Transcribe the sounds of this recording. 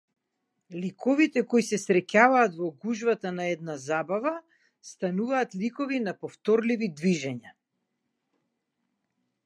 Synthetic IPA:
likɔvit̪ɛkɔjsɛsɾɛcavaːt̪vɔɡuʒvat̪anaɛd̪̚nazabava | st̪anuvaːt̪likɔvinapɔft̪ɔɾlivid̪viʒɛɲa

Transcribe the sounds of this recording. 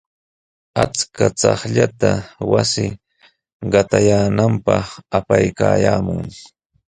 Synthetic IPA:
at͡skat͡sɑχʎat̪awasɪ | ɢɑt̪ajaːnampɑχapajkaːjaːmʊŋ

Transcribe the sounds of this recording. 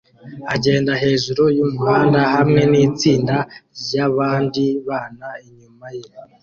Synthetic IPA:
a̰ɟe̞ːndaɦe̞ːʒuɾojumuhaːndahamŋe̞niːt͡siːndajaβaːndiβaːnaiɲumaje

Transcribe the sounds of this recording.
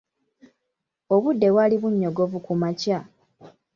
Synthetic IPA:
o̞βudːe̞βwaːliβuɲːoɡo̞vukumaca

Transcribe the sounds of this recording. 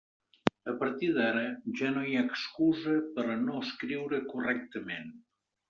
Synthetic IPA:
əpəɾt̪iðaɾəʒanojakskuzəpəɾnoəskɾiwɾəkurɛk̚t̪əmen

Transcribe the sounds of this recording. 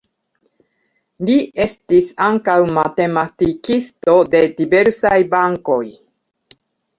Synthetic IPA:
lie̞stisaŋkawmate̞matikisto̞de̞dibe̞ɾsajbaŋko̞j

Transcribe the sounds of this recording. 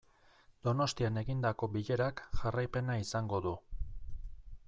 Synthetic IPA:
d̪̥o̞no̞st̪iane̞ɣind̪ako̞biʎe̞ɾakʝarajpe̞naisaŋɡo̞ðu

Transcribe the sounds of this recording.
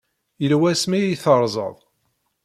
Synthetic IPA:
jəlwæsmiiθəɾˤzˤə̰ðˤ

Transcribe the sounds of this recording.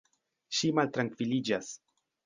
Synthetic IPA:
ʃimalt̪ɾaŋkvilid͡ʒas

